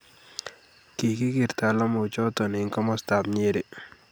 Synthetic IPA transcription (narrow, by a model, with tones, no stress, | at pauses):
ki˨ki˦ɡɪ˨ɾt̪a˨lɔ˦mʊ˨t͡ʃɔ˦t̪ɔ˨ni˨ŋkɔ˦mɔ˦st̪a˨b̚ɲe˦ɾi˨